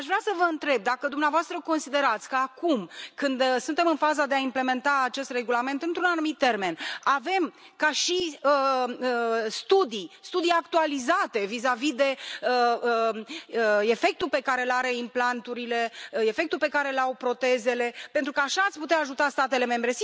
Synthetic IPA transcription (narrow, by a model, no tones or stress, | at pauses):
aʃvɾeasəvəɨnt̪ɾe̞b̚d̪akəd̪umneavoast̪ɾəko̞nsid̪e̞ɾat̪sʲkəakumkɨnd̪sunt̪e̞mɨnfazad̪eaimple̞me̞nt̪aːt͡ʃe̞st̪re̞ɡulame̞nt̪ɨnt̪ɾunanumit̪̚ːe̞rme̞nave̞m | kaʃiəəst̪ud̪ist̪ud̪ijakt̪ualizat̪e̞vizavid̪e̞əəəe̞fe̞k̚t̪ulpe̞kaɾe̞laɾe̞implant̪uɾile̞e̞fe̞k̚t̪ulpe̞kaɾe̞lawpɾo̞t̪e̞ze̞le̞pe̞nt̪ɾukəaʃaːt̪sʲput̪eaːʒut̪ast̪at̪e̞le̞me̞mbɾe̞s